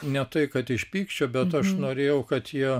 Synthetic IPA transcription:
nʲɛt̪ɐɪkɐt̪ɪʃʲpʲiːkʃʲt͡ʃʲoːbʲɛt̪ɐʃnoːɾʲeːjɛʊkɐt̪jiɛ

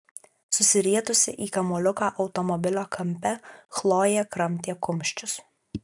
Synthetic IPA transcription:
sʊsʲɪɾʲiɛt̪ʊsʲɪʔiːkɐmʊːlʲʊkaːʔɒʊt̪ɔmɔbʲɪlʲoːkʰɐmʲpʲɛxlˠoːjɛːkɾɐmʲˑt̪ʲiɛkʊmʲˑʃʲt͡ʃʲʊs

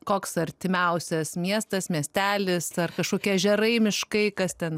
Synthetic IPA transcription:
koːksɐɾʲt̪ʲɪmʲɛʊsʲɛsmʲiɛst̪ɐsmʲiɛsʲt̪ʲæːlʲɪsɐrkɐʃkoːkʲiɛʒʲɛɾɐɪmʲɪʃkɐɪkɐst̪ʲɛn

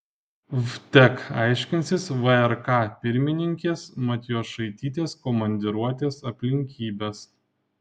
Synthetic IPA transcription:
vt̪ʲɛkɑˑɪʃʲkʲɪnʲsʲɪsʋɐɛɾkɑpʲɪɾʲmʲɪnʲɪŋʲkʲeːsmɐt̪ʲjoːsʃɐɪt̪ʲiːt̪ʲeːskɔmɐnʲd̪ʲɪɾuɔt̪ʲeːsɐpʲlʲɪŋʲkʲiːbʲeːs

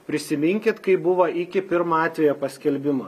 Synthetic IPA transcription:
pʲɾʲɪsʲɪmʲɪŋʲkʲɪt̪kɐɪbʊʋɐʔɪkʲɪpʲɪɾmɐɑːt̪ʲʋʲɛjoːpɐsʲkʲɛlʲbʲɪmɐ

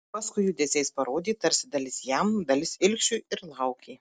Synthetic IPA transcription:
pɐskʊɪjuːd̪ʲeːzʲɛjspɐɾoːd̪ʲiːt̪ɐɾʲsʲɪd̪ɐlʲɪsjɛmd̪ɐlʲɪsɪlʲkʃʲuɪɾlˠɐʊkʲeː

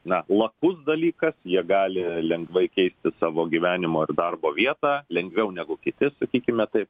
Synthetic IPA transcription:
nɐlˠɐkʊsd̪ɐlʲiːkɐsjiɛɡɑːlʲɪlʲɛŋɡʋɐɪkʲɛɪsʲt̪ʲɪsɑːʋoːɡʲiʋʲæːnʲɪmoːɪrd̪ɐrboːʋʲiɛt̪ɑːlʲɛŋɡʋʲɛʊnʲæɡʊkʲɪt̪ʲɪsɐkʲiːkʲɪmʲɛt̪ɐɪp

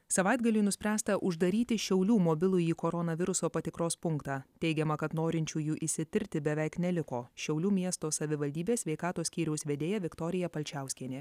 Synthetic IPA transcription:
sɐʋɑˑɪd̪ɡɐlʲunʊsʲpʲɾʲæːst̪ɐʔʊʒd̪ɐɾʲiːt̪ʲɪʃʲɛʊlʲuːmobʲɪlˠʊiːkoːɾɔnɐʋʲɪɾʊsoːpɐt̪ʲɪkɾoːspʊŋkt̪ɑːt̪ʲɛɪɡʲɛmɐkɐt̪noːɾʲɪnʲt͡ʃʲuːjuːʔɪsʲɪt̪ʲɪɾʲt̪ʲɪbʲɛʋʲɛɪknʲɛlʲɪkoːʃʲɛʊlʲuːmʲiɛst̪oːsɐʋʲɪʋɐlʲd̪ʲiːbʲeːsʲʋʲɛɪkɑːt̪oːsʲkʲiːɾʲɛʊsʲʋʲed̪ʲeːjɛʋʲɪkt̪oːɾʲɪjɛpɐlʲt͡ʃʲæˑʊsʲkʲiɛnʲeː

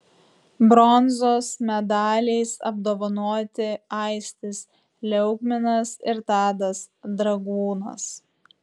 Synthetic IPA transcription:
bɾɔnzoːsmʲɛd̪ɑːlʲɛɪsɐ̰b̚d̪oːʋɐnoːt̪ʲɪɐɪsʲt̪ʲɪs | lʲɛʊɡmʲɪnɐsɪɾt̪ɑːd̪ɐs | d̪ɾɐɡuːnɐ̰s

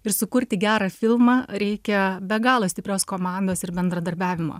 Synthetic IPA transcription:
ɪɾsʊkʊɾʲt̪ʲɪɡʲæːɾɑfʲɪlˠmɑːɾʲɛɪkʲɛbʲɛɡɑːlˠoːst̪ʲɪpʲɾʲoːskoːmɑˑnd̪oːsɪɾbʲɛnd̪ɾɐd̪ɐɾʲbʲæːʋʲɪmo̰ː

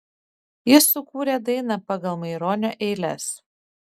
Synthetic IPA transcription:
jɪsʊkuːɾʲeːd̪ɐɪnɑpɑɡɐlˠmɐɪɾoːnʲoːʔɛɪlʲɛ̰s

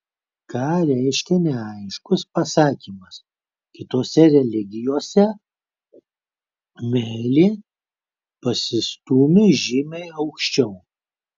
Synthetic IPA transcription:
kɑːɾʲɛɪʃʲkʲɛnʲɛɐɪʃkʊspɐsɑːkʲiːmɐs | kʲɪt̪oːsʲɛɾʲɛlʲɪɡʲɪjoːsʲɛ | mʲɛːlʲeː | pɐsʲɪst̪uːmʲʊʒʲɪmʲɛɪɐʊkʃʲt͡ʃʲɛʊ

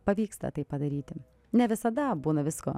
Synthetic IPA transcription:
pɐʋʲiːkst̪ɐ̰t̪ɐɪppːɐd̪ɐɾʲiːt̪ʲɪ | nʲɛʋʲɪsɐd̪ɐbuːnɐʋʲɪsko̰ː

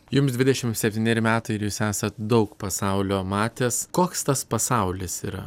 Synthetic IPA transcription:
jʊmsd̪ʲʋʲɪd̪ʲɛʃʲɪmsʲɛpʲt̪ʲiːnʲeːɾʲɪmʲæːt̪ɐɪɪɾjuːsæːsɐt̪̚d̪ɒʊkpɐsɐʊlʲoːmɑːt̪ʲeːskoːkst̪ɐspɐsɐʊlʲɪsḭːɾɐ̰

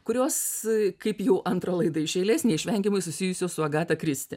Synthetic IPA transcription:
kʊɾʲoːskɐɪpjɛʊʔɐnt̪ɾɐlˠɐɪd̪ɐɪʃʲɛɪlʲeːsʲnʲɛɪʃʲʋʲɛŋʲkʲɪmʊɪsʊsʲɪjʊsʲoːssʊɐɡɑːt̪ɐkɾʲɪsʲt̪ʲɪ

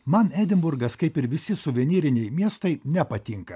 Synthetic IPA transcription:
mɐnæːd̪ʲɪmbʊɾɡɐskɐɪpɪɾʋʲɪsʲɪsʊʋʲɛnʲiːɾʲɪnʲɛɪmʲiɛst̪ɐɪnʲɛpɐt̪ʲɪŋkɐ

